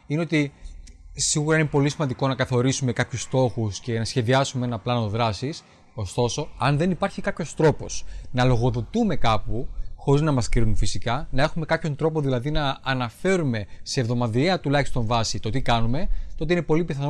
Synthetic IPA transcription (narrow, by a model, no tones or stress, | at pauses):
ineot̪i | siɣuɾɐinepo̞lisimɐnd̪iko̞nɐkɐθo̞ɾisume̞kɐpçust̪o̞xusce̞nɐsçe̞ðiɐsumee̞nɐplɐnoðɾɐsis | o̞st̪o̞so̞ɐnðe̞nipɐɾçikɐpço̞st̪ɾo̞po̞̰snɐlo̞ɣo̞ðo̞t̪ume̞kɐpuxo̞ɾiznɐmɐskɾiɾunfisikɐnɐe̞xume̞kɐpço̞nt̪ɾo̞po̞ðilɐðinɐːnɐfe̞ɾume̞se̞ːvðo̞mɐðieɐt̪ulɐçi̥st̪õ̞ɱvɐsit̪ot̪ikɐnume̞t̪oot̪einepo̞lipiθɐn